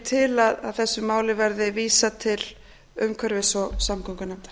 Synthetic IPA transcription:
t̪ʰɪlaðaðθɛsːʏmaːwlɪvɛɾðɪviːsat̪ʰɪl | ʏmkʰœɾvɪsɔsamkʰɔŋkʏnɛmt̪ḁɾ̥

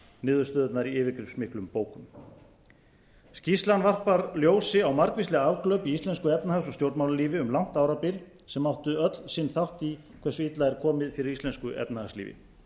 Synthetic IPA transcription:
nɪːðʏɾst̪œːðat̪naɾiɪːvɪkɾɪpsmɪhklʏmpoːwkʏm | scislanvar̥paɾljoːwsɪawmaɾkvistlɛɣaavklœɥpiist̪ɛnskʏɛpnahasɔst̪jowɾt̪mawlaliːvɪʏmlawn̥t̪awɾapɪl | sɛmːawht̪ʏœt̪lsɪnθawht̪i | kʰvɛsːʏit̪laɛɾkʰɔːmɪðfɪɾɪɾist̪ɛnskʏʔɛ̰p̚nahaslḭːvɪ̰

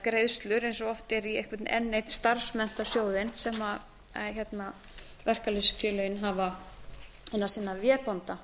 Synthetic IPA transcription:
kɾejðst̪lʏɾejnsɔɔft̪ɛɾiḛhkvɛt̪nɛ̰nːejt̪st̪aɾ̥smɛn̥t̪ḁsjoːwðɪnsɛma | çɛt̪na | vɛr̥kalisfɛlœjɪnɦava | ejnasiːnavjɛːpɔnt̪a

